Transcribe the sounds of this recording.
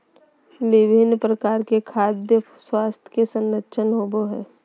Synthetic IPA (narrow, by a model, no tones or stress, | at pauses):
ʋɪbʱɪnːpɾəkaːɾkekʰaːd̪jə | swaːst̪ʰj̥kesə̃nːətːʃʰənɦoːboɦɛː